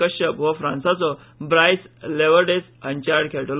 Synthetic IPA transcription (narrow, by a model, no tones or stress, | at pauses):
əɕəpʋɔfɾãnsat͡sɔ | bɾajsleʋəɾɖesənt͡ɕaɾɖkʰɛʈəl